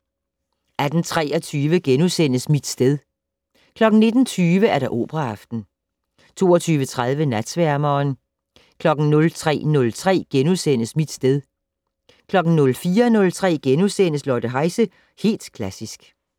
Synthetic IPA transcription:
ʔæd̥n̩t͡sʰʁɛ̰ːɒt͡sʰyːʋəɡ̥enusen̰əsmid̥sd̥eð̞ˠ | kʰlɒ̽ɡ̥n̩ne̝d̥n̩t͡sʰyːʋəæɐɾɑ̈ʔo̝̰ːb̥ʁɑɑfd̥n̩ | t͡sʰo̝ːɒt͡sʰyːʋət͡sʰʁað̞ˠʋənæd̥sʋæɐmɒːn | kʰlɒ̽ɡ̥n̩nɔ̽lt͡sʰʁɛ̰ːnɔ̽lt͡sʰʁɛ̰ːɡ̥enusen̰əsmid̥sd̥eð̞ˠ | kʰlɒ̽ɡ̥n̩nɔ̽lfiːɐnɔ̽lt͡sʰʁɛ̰ːɡ̥enusen̰əslɒːd̥əɦɑ̈ɪsə | he̝̰ːld̥kʰlæsisɡ̥

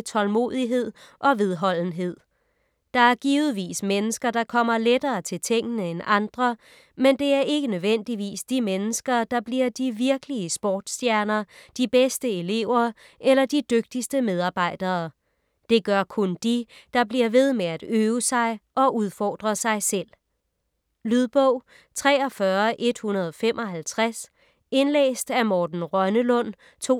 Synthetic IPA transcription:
t͡sʰɒ̽lmo̝̰ðˠiɦe̝ð̞̰ˠʔɒ̽ʋe̝ð̞ˠɦɒ̽l̰n̩ɦe̝ð̰ˠ | d̥ɑ̈æɐɡ̥iːʊð̩ˠʋḭːsmenəsɡ̥ɐd̥ɑ̈kʰɒ̽m̰ɐledɐːt͡sʰe̝lt͡sʰeŋ̰ɡ̥ənəenɑ̈nd̥ʁɐ | mend̥e̝æɐʔe̝ɡ̥ənøðˠʋen̰d̥iʋḭːsd̥imenəsɡ̥ɐd̥ɑ̈b̥liɐ̰d̥iʋiɐɡ̥əliəsb̥ɒːd̥sd̥jæɐnɐd̥ib̥esd̥əe̝le̝ʊ̰ɐ | ʔelɐd̥id̥øɡ̥̚d̥isd̥əmeð̞ˠɑ̈ːb̥ɑ̈ɪ̰d̥ɐː | d̥e̝ɡ̥ɶɐkʰɔnd̥id̥ɑ̈bliɐʋe̝ð̞ˠmeæd̥øːʊsɑ̈ɪʔɒ̽ʔuð̞ˠfɒ̰ːd̥ʁɐsɑ̈ɪsel̰ | lyðˠb̥ɔʊ̰ | t͡sʰʁɛ̰ːɒ̽fɶːɐʔe̝d̥hunɐð̞ˠɒ̽femʔɒ̽ɦælt͡sʰʁas | e̝nlḛːsd̥æmɒːd̥n̩ʁɶnəlɔ̽n̰ | t͡sʰo̝̰

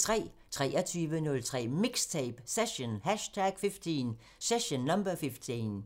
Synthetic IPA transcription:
t͡sʰʁɛ̰ːt͡sʰʁɛ̰ːɐt͡sʰyːʋənɔ̽lt͡sʰʁɛ̰ːmiɡ̥st͡sʰɛb̥seɕonhæʃt͡sʰæɡ̥fifd̥ʰin | seɕonːɑmb̥ɐfifd̥ʰin

